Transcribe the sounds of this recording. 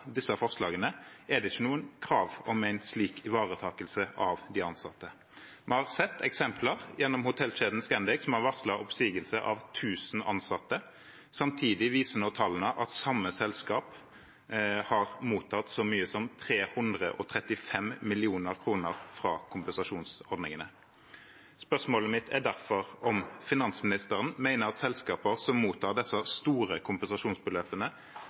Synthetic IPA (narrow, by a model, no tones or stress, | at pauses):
d̪ɪsːɑfɔʁslɑːɡənəɛd̪ɛɪçːənuːənkʰɾɑːʋɔmæɪnsliːkʰɪʋɑːʁət̪ʰɑːkəlsəʔɑʋd̪ɪɑnsɑt̪ːə | mɛhɑʁsɛt̪ːɛ̰ksɛmpʰləʁjɛnːɔmhʊt̪ʰɛlʃeːd̪n̩skɛnd̪ɪksɔmɑʋɑʁslɑʔɔpsiːɡəlsəʔɑʋt̪ʰʉːsn̩ɑ̰nsɑt̪ːə | sɑmt̪ʰiːd̪ɪʋiːsənoːt̪ʰɑlənəʔɑt̪sɑmːəsɛlskɑːp | hɑʁmuːt̪ʰɑt̪sɔmyːəsɔmt̪ʰʁeːhʉnd̪ʁə̰ʔɔt̪ʰʁɛt̪ɪfɛmmɪlɪuːnəʁkʰʁuːnəʁfʁɑːkʰʊmpɛnsɑʂuːnsɔʁd̪nɪŋənə | spœʁsmoːləmɪt̪ʰæʁd̪æʁfɔʁɔmfɪnɑnsmɪnɪst̪əʁənmæɪnəʁɑt̪sɛlskɑːpəʁsɔmːuːt̪ʰɑːʁd̪ɛsːɑst̪uːʁəkʰʊmpɛnsɑʂuːnsbəløːpənə